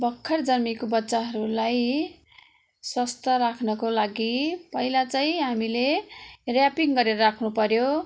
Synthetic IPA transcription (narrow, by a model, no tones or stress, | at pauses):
bʌkʰːʌrd͡zʌrmikobʌtːt͡saɦʌɾulaj | swʌst̪ʌɾakʰnʌkolaɡipʌɦilat͡saĩɦamilerjapiŋɡʌɾeɾʌɾakʰnupʌɾjo